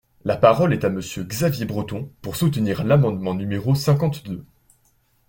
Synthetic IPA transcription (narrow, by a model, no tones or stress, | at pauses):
lapaʁɔlɛt̪aməsjøɡzavjebʁət̪ɔ̃puʁsut̪niʁlamɑ̃d̪mɑ̃nymeʁosɛ̃kɑ̃t̪d̪ø